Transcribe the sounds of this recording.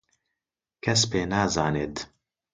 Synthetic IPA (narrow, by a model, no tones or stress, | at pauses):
kʰɛspeːnaːzaːneːt̪